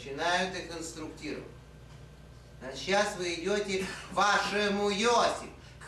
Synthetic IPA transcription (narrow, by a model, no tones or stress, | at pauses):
t͡ɕɪnajʊt̪ʲɪkənst̪ɾʊktʲiɾə̰və̰tʲ | ɐɕːasvɨɪdʲotʲɪvaʂɨmʊjosʲɪf